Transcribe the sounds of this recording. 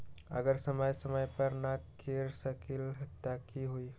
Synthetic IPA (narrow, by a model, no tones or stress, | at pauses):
ə̰ɡəɾsəməjsəməjpəɾna | eɾsəkilɦət̪akiɦui